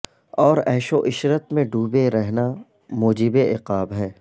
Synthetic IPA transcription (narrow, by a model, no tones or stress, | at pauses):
ɔːɾɛːʃoʔɪʃɾət̪mẽɖʱuːbeɾɛɦna | moːd͡ʒɪbeɪqaːbɦɛː